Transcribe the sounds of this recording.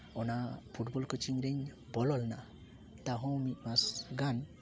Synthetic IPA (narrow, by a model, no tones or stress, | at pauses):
ɔnapʰuʈbɔlkɔt͡ʃiŋɾɛɲ | bɔlɔlna | t̪aɦɔ̃mit̪̚ˀmasɡan